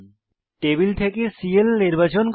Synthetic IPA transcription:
ʈebilt̪ʰekesielniɾbat͡ɕonk

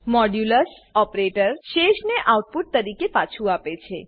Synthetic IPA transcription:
mɔɖjuləs | ɔpɾeʈəɾʃeʃneʔawʈ̚puʈ̚t̪əɾikepat͡ʃʰuapet͡ʃʰe

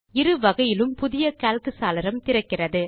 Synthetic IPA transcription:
ɪɾɯʋɐɣɐjɪlɯmpʊðɪjɐkaːlkɯsaːlɪɾɐmt̪ɪɾɐkːɪrɐðɯ

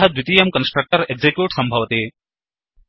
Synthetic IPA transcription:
ɦɐd̪ʋit̪iːjɐmkɐnsʈɾɐk̚ʈɐɾeɡzekjuːʈsɐmbʱɐʋɐt̪eː

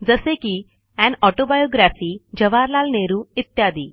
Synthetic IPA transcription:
d͡zɐseːki | ɛ̃ːnɔːʈoːbajoːɡɾaːfiːd͡ʒɐʋaːɾlaːlneːɾuit̪jaːd̪i

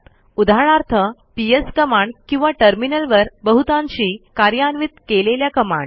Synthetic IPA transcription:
ud̪ʱaɭ̃aɾt̪ʰəpijəskəmaɳɖkĩw̃ʋaʈəɾminəlʋəɾbəɦut̪ãɲt͡ɕiːkaɾjanʋit̪keleljakəma̰ɳ

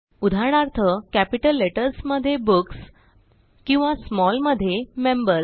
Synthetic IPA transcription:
ud̪ʱaɾɳ̃aɾt̪ʰəkæpiʈəlːeʈəɾsməd̪ʱːjebuks | kĩw̃ʋasmɔlməd̪ʱːjemembəɾs

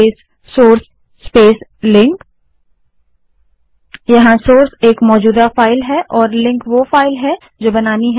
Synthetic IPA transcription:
sː | oːɾsː | peːslɪ̃ŋk | jɐɦãsoːɾseːkmɔːd͡ʒuːd̪afaːɪlɦɛʔɔːɾlɪ̃ŋkʋofaːɪlɦɛ | d͡ʒoːbɐnaːniɦ

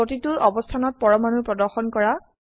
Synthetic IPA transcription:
otitʊɔbɔstʰanɔt̚pɔɹɔmanupɹɔdɔɹxɔnkɔɹa

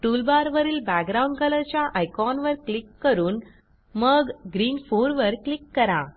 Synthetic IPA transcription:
ʈulbaɾʋəɾiːlbæk̚ɡɾauɳɖkələɾt͡ɕjaʔajkɔnʋəɾklikːəɾuːn | məɡɡɾiːnfoɾʋəɾklikːəɾã

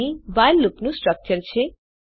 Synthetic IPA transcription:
iʋajlːupnũsʈɾək̚t͡ʃəɾt͡ɕʰe

